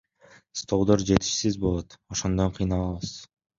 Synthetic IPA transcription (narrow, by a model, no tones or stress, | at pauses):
st̪o̞lˠd̪o̞ɾd͡ʒe̞t̪i̥ʃsizbo̞lˠo̞t̪o̞ʃond̪oɴqʰɯjnɑlˠɑβɯz̥